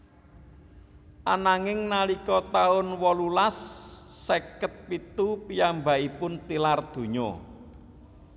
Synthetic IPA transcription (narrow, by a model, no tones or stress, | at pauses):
ʔanaŋɪŋnalikɔt̪aʊnwɔlulasː | ekət̪̚pit̪upijamba̤ʔipʊnt̪ilard̪̥o̤ɲɔ̰